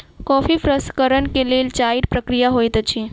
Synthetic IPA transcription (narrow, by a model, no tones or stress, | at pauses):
kɔfifɾəskəɾənkelelt͡ʃajɖpɾəkɾijaɦojt̪ət͡ʃʰi